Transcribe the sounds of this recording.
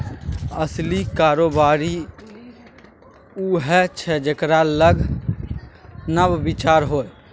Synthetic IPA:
əslikaɾobaɾi | uɦɛt͡ʃʰɛd͡ʒekɾaləɡʱ | nəbːit͡ʃaɾɦoːj

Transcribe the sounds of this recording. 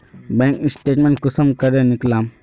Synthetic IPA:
bɛ̃ŋkisʈeʈmẽɳʈkusəmkəɾẽniklam

